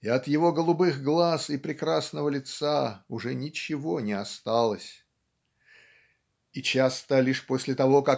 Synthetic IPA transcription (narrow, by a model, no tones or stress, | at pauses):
ɪɐt̪jɪvo̞ɡəlˠʊbɨxɡlˠasɪpɾʲɪkɾasnəvəlʲɪt̪saʊʐɛnʲɪt͡ɕɪvo̞nʲɪɐst̪alˠəsʲ | it͡ɕast̪əlʲiʂposʲlʲɪt̪ɐvo̞ka